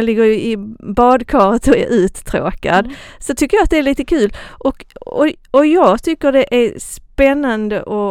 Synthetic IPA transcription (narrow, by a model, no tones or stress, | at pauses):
lɪɡːəɾjɵɪbɑːd̪kʰɑːɾət̪ɔæ̰ɾʔʉ̟ːt̪ːʰɾo̰ːka̰d̪sɔt̪ʰʏkːəjaːt̪̚d̪ɛæɭiːt̪əkʰʉ̟ːlʔɔkɔɔjɑːɡt̪ʰʏkːəɖɛʔæɾspɛnːand̪ə̰ʔɔ